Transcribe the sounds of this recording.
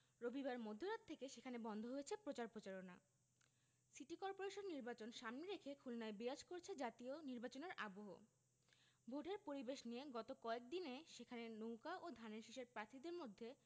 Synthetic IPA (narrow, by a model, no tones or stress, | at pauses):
ɾobibaɾmod̪ʱːoɾat̪ʰːekeʃekʰanebɔnd̪ʱoɦojet͡ɕʰepɾot͡ɕaɾpɾot͡ɕaɾona̰ | siʈikɔɾpoɾeʃonːiɾbat͡ɕonʃamneɾekʰekʰulnaebiad͡ʑkoɾt͡ɕʰed͡ʑat̪ioniɾbat͡ɕoneɾa̰boɦo̰ | bʱoʈeɾpoɾibeʃnijeɡɔt̪okɔek̚d̪ineʃekʰanenowkaʔod̪ʱaneɾʃiʃeɾpɾat̪ʰid̪eɾmod̪ʱːe